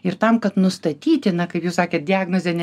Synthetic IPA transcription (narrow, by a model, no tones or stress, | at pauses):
ɪɾt̪ɐmkɐt̪nʊst̪ɐt̪ʲiːt̪ʲɪnɐkɐɪpjuːsɑːkʲeːt̪̚dʲɪɑːɡnoːzʲɛnʲɛ